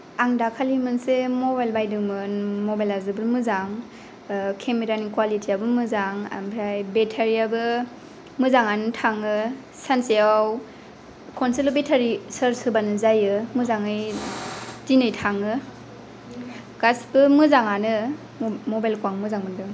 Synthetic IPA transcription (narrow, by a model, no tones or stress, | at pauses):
aŋdakʰalimɯnsemɔbajlbajdɯŋmɯnmɔbajlazɯbɯɾmɯzaŋ | kʰemeɾanikwalitʰiabɯmɯzaŋa̰mpʰɾajbetʰaɾiabɯ | mɯzaŋanɯtʰaŋɯ | sansijaw | kʰɔnsilɯbetʰaɾisəɾsɯbanɯzajɯmɯzaŋɯj | dinɯjtʰaŋɯ | kasbɯmɯzaŋanɯ | mɔbajlkwaŋmɯzaŋmɯndɯ